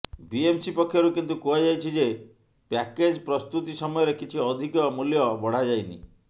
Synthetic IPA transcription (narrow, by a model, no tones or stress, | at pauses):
biemsipɔkʰːjɔɾukint̪ukuad͡ʒajt͡ʃʰid͡ʒe | pɛked͡ʒpɾɔst̪ut̪isɔmɔjɔɾekit͡ʃʰiɔd̪ʱikɔmuljɔbɔɽ̤ad͡ʒajnḭ